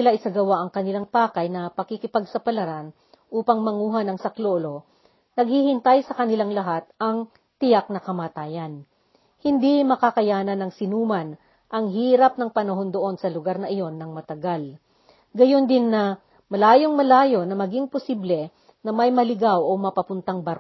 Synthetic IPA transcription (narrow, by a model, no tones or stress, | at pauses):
ɪlaʔɪsɐɡɐwaʔɐŋkɐnɪlaŋpaːkɐjnɐpɐkɪkɪpɐɡ̚sɐpɐlɐɾan | ʔuːpɐŋmɐŋuːɦanɐŋsɐkloʔlo̞ | nɐɡ̚hihɪnt̪ajsɐkɐnɪlaŋlɐɦat̪̚ɐŋ | t̪ɪjak̚nɐkɐmaːt̪aːjɐn | hɪnd̪imɐkakɐjaːnɐnɐŋsɪnuːmɐn | ʔɐŋɦiːɾɐp̚nɐŋpɐnɐɦo̞nd̪oʔo̞nsɐlʊɡaɾnɐʔɪjo̞nːɐŋmɐt̪ɐɡal | ɡɐjo̞nd̪ɪnːɐ | mɐlaːjo̞ŋmɐlaːjo̞nɐmɐɡiŋpʊsiblɛ | nɐmɐjmɐlɪɡawʔomɐpɐpʊnt̪aŋbɐɾk